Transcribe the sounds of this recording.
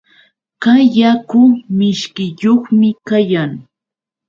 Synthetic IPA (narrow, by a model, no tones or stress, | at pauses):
kaːakʊmɪʃkɪjoχmɪkajaŋ